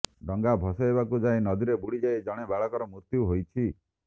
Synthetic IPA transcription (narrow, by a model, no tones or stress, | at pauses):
ɖɔŋɡabʱɔsɔebakud͡ʒajnɔd̪iɾebuɽid͡ʒaed͡ʒɔɽ̃ebaɭɔkɔɾɔmuɾt̪juɦojt͡ʃʰi